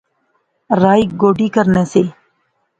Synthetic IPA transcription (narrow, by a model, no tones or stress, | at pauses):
ɾaːiːɡoːɖiːkəɾneːseː